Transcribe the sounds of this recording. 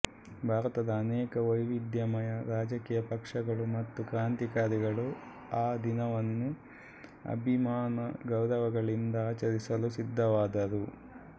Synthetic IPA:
bʱaːɾɐt̪ɐd̪ɐːnɛːkɐʋɐjʋid̪jɐmɐjɐɾaːd͡ʒɐkiːjɐpɐkʂɐɡɐɭumɐt̪ːukɾaːnt̪ikaːɾiɡɐɭu | aːd̪inɐʋɐnːu | ɐ̰bʱimaːnɐɡɐwɾɐʋɐɡɐɭind̪ɐaːt͡ʃɐɾisɐlusid̪ʱːɐʋaːd̪ɐɾu

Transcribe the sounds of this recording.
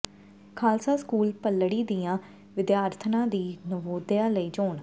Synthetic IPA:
kʰaːlsaːskuːlpəlːɽiːd̪ijãː | ʋɪd̪jaːɾt̪ʰənãːd̪iːnəʋoːd̪jaːləiːd͡ʒoːɳ

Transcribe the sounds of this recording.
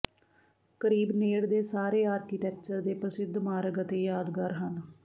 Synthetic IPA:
kəɾiːbneːɽd̪eːsaːɾeːaːɾkiːʈɛːk̚t͡ʃəɾd̪eːpɾəsɪd̪ʱmaːɾəɡət̪eːjaːd̪ɡəɾɦən

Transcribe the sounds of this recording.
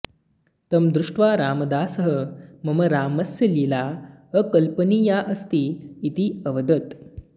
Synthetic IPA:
t̪əmd̪ɾuʂʈʋaɾaːməd̪aːsəɦəməməɾaːməsjəlilaəkəlpəniːjaʔəst̪iːt̪iəʋəd̪ət̪

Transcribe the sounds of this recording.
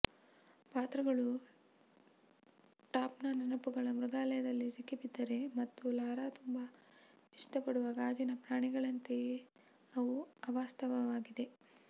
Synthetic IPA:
paːt̪ɾɐɡɐɭu | ʈaːpnɐnɐnɐpuɡɐɭɐmɾuɡaːlɐjɐd̪ɐlːisikipid̪ːɐɾe̞mɐt̪ːulaːɾaːt̪umbɐ | iʂʈɐpɐɽuʋɐɡaːd͡ʒinɐpɾaːɳiɡɐɭɐnt̪e | ɐʋuɐʋaːst̪ʰɐʋɐʋaːɡid̪e̞

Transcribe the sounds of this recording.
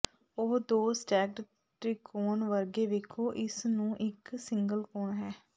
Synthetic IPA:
oːd̪oːsʈɛːɡɖ | ʈɾiːkʰoːnʋəɾɡeːʋeːkʰoːʔɪsnũːʔɪksɪŋɡəlkoːɳɦɛː

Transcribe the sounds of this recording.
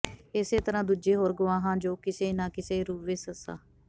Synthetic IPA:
ɪseːt̪əɾãːd̪uːd͡ʒeːɦoːɾɡʊʋãːɦãːd͡ʒoːkɪseːnãːkɪseːɾuːʋeːsəsa̰ː

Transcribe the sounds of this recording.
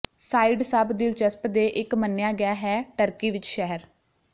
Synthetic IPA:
saːiɖsəbd̪ɪlt͡ʃəspd̪eːʔɪkmənːjaːɡɪjaːɦɛːʈəɾkiːʋɪt͡ʃʃɛɦəɾ

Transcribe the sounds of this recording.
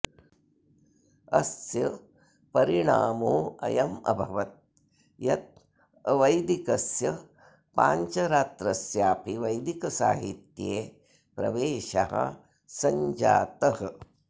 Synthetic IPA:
ɐsjɐ | pɐɾiɳaːmoːɐ̰jɐmɐ̰bʱɐʋɐt̪̚ | jɐt̪̚ | ʋɐjd̪ikɐsjɐ | pa̰ːɲt͡ʃɐɾaːt̪ɾɐsjaːpiʋɐjd̪ikɐsa̰ːɦit̪jeː | pɾɐ̰ʋeːʃɐ̰ɦɐ̰ | sɐɲd͡ʒa̰ːt̪ɐhɐ

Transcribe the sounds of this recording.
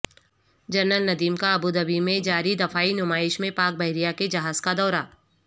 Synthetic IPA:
d͡ʒɐɾnəlnɐd̪iːmkaɐbud̪ɐbimẽd͡ʒaːɾid̪ɐfaːinʊmaːɪʃmẽpaːk̚bɐɦɪɾijaked͡ʒɐɦaːz̥kad̪ɔːɾaː

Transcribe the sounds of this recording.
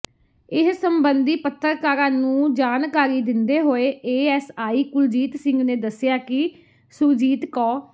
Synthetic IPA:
ɪssəmbənd̪iːpət̪ːəɾkaːɾaːnũːd͡ʒaːnkaːɾiːd̪ɪnd̪eːɦoːeːeːɛːsaːiːkʊld͡ʒiːt̪sɪ̃ŋɡneːd̪əsɪjaːkɪ | sʊɾd͡ʒiːt̪kɔː

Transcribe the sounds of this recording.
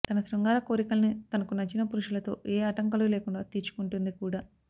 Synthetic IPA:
t̪ɐnɐsɾɐŋɡaːɾɐko̞ːɾikɐlɐnit̪ɐnɐkunɐt͡ʃinɐpuɾuʂɐlɐt̪o̞̰ːʔeːɐʈɐŋkɐluleːkuɳɖaːt̪iːt͡ʃu̥kuɳʈund̪ikuːɽaː

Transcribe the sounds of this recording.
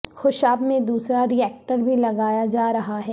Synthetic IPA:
xʊʃaːbmẽd̪uːsɾaɾiɛːk̚ʈəɾbʱilɐɡaːjad͡ʒaːɾɐɦaɦɛː

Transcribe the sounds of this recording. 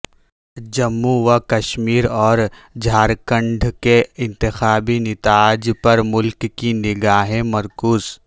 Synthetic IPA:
d͡ʒɐmːuʋakɐʃmiːɾɔːɾd͡ʒʱaːɾkə̃ɳɖʱkeɪ̃nt̪ɪxaːbinɪt̪aːd͡ʒpɐɾmʊlkkːinɪɡaːɦẽmɐɾkuːz

